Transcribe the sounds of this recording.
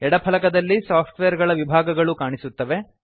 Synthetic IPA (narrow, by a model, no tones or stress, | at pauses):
ɛɽɐpʰɐlɐkɐd̪ɐlːisaːpʰʈʋejɐɾɡɐɭɐʋibʱaːɡɐɡɐɭukaːɳisut̪ːɐʋe̞